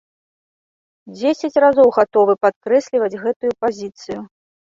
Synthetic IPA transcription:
d͡zʲesʲɐt͡sʲrazɔwɣat̪ɔvɨpat̪̚kɾɛsʲlʲivɐd͡zʲɣɛt̪ujupazʲit̪sɨju

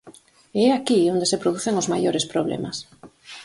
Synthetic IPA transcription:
ɛakiond̪esepɾoð̞uθeŋʊzmajoɾespɾoβlɛ̰mas

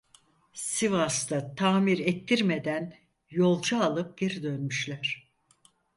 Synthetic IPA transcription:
sivast̪at̪ʰaːmiɾɛt̪ʰːiɾme̞d̪æn | jo̞lˠd͡ʒaːlˠɯp̚ɟ̥e̞ɾid̪ø̞nmyʃlʲæɾ̥

